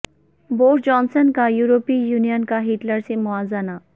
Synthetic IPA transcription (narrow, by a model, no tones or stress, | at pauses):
boːʈd͡ʒɔːnsənkajuːɾopijuːnijənkaɦiːʈləɾsemʊaːzana